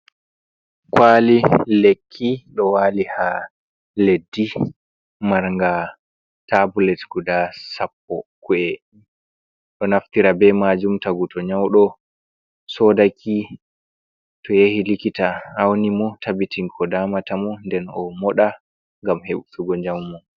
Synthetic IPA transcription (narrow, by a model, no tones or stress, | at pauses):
kwalilekʰːiɗɔwaːliha | ledːi | maɾŋɡa | tabulɛtɡudasapːɔkuɛ | ɗɔnaftiɾabɛmad͡ʒumtaɡutʰɔɲawɗɔ | sɔːdakʰi | tɔjehilikitaawnimɔtʰabitiŋkʰɔdaːmatamɔndɛnɔmɔɗa | ŋɡamheɓutuɡɔɲd͡ʒamːɔ